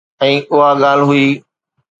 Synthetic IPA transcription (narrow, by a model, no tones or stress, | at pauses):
ɛ̃ːʔʊɦaɠaːl̤ɦʊiː